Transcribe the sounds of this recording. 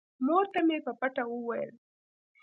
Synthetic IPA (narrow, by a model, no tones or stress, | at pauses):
moɾt̪amepəpaʈaəwajə̰l